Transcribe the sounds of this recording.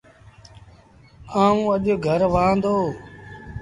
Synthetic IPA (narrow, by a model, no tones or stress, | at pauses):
ãːũːəʄoːɡʱəɾʋãːnd̪oː